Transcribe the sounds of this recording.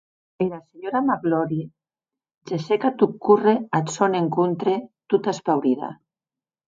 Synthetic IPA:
eɾaseɲoɾamaɣlɔɾi | d͡ʒesekat̪ukːureasoneŋkunt̪ɾet̪ut̪aspawɾiða̰

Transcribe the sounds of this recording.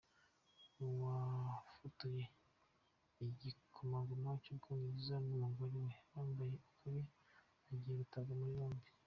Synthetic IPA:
wafutuje | iɟikʰomaɡumwacuɡuniizanumuɡoɾiwejaːmbajeukʰuɾe | aɟijeɾutaβamuɾjoːmbi̥

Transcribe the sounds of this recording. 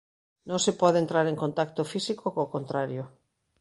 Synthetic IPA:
nõŋsepɔðent̪ɾaɾeŋkont̪akt̪ofisikokokõnt̪ɾaɾjo

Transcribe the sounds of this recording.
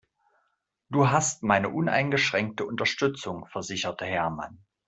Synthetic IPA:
d̥uːɦastmaɪnəʔʊnʔa̰ɪnɡəʃʁ̥ɛŋk̚təʔʊntɐʃtʏt͡sʊŋfɛɐzɪçɐtəɦɛɐma̰n

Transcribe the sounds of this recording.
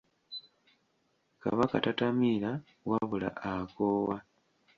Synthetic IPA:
ka̰βakatatamila | waβula̰ʔakoːwa

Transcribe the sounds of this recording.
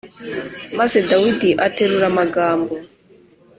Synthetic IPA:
masɛdawidiʔatʰɛɾuɾamaɡaːmbɔ

